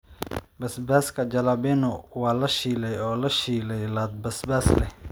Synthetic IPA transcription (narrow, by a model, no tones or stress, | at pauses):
bɐsbaːskʰɐd͡ʒɐlaːbɛnʊwɑːlɐʃiːlɛjɔːlɐʃiːlɛjlaːd̪̚bɐsbaːslɛ